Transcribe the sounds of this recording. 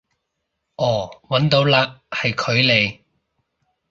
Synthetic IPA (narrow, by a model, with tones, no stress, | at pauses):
ʔɔː˨˩wɐ˨˥nt̪o˨˧˥wlaː˧hɐ˨jkʰɵ˨˧ɥle˨˧j